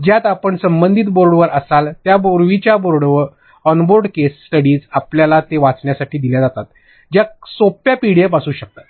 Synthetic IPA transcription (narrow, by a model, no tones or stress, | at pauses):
d͡ʑjat̪apəɳsəmbənd̪ʱiːt̪boɾɽʋəɾʔəsalt̪jaboɾʋit͡ɕjaboɾɽʋəɾ | ɔnboɾɖkesːʈəɽiːd͡zapljalat̪eʋat͡sɳjasaʈiːd̪iljad͡zat̪at̪ | d͡ʑjasopjapiɽjepasuːɕək̚t̪at̪